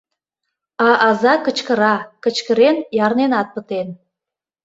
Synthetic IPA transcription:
ɑʔɑzɑkət͡ɕkəɾɑkət͡ɕkəɾenjɑrnenɑt̪̚pət̪en

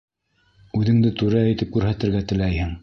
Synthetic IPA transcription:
ʉðɘ̆ŋd̪ɘt̪ʉɾæːjt̪ɘp̚kʉɾɦæt̪ɘ̆ɾɡæt̪ɘ̆læjhɘŋ

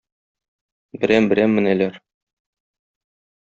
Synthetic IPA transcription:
bɘ̆ɾæmbɘ̆ɾæmːɘ̆nælæɾ

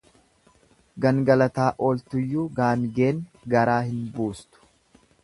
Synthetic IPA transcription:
ɡɐŋɡɐlɐt̪aːʔolt̪ʊjːuːɡaːŋɡe̞ːnɡɐɾaːhɪnbuːst̪ʊ̥

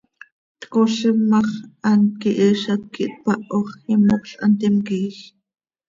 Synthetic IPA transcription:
t̪koɬimɑχʔɑnt̪̚kiʔiʃɑt̪̚kiʔt̪̚pɑʔoχimokɬʔɑnt̪ɛmkiːx

